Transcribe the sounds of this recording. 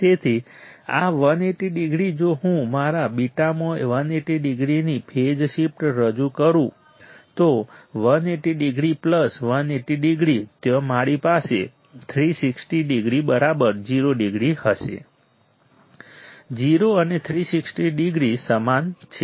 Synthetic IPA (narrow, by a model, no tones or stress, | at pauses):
t̪et̪ʰi | aʋəneʈiɖiɡɾid͡ʒoɦũmaɾabiʈamoʋəneʈiɖɪɡɾinipʰed͡ʒʃipʈɾəd͡ʒukəɾũ | t̪oʋəneʈiɖiɡɾipləsʋəneʈiɖɪɡɾit̪jomaɽipasḛ | t̪ʰɾisiksʈiɖiɡɾibəɾabəɾd͡ʒiɾoɖiɡɾihəʃḛ | d͡ʒiɾoənet̪ʰɾisiksʈiɖɪɡɾisəmant͡ʃʰe